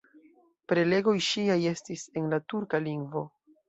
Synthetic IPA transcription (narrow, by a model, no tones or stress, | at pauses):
pɾe̞le̞ɡo̞jʃiaje̞stise̞nlatuɾkaliŋɡvo̞